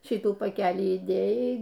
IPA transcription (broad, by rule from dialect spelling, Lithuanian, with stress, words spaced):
ˈʃʲiːtuː pɐˈkʲæːlʲiː iːˈdʲeːjɛɪ